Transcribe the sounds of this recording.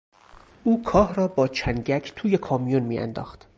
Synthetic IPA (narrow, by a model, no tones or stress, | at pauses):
ʔuːkʰɒːhrɒːbɒːt͡ʃʰænɟæcʰt̪ʰuːjekʰɒːmijunmiːæ̰nd̪ɒ̰ːxt̪